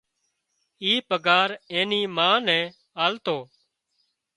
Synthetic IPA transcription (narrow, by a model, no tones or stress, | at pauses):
iːpəɡaːɾẽːniːmãːnɛ̃ː | aːlt̪oː